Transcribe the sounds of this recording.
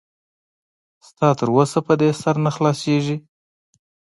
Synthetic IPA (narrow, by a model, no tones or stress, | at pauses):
st̪ɑt̪əɾwosapəd̪esaɾnaxlɑseʒi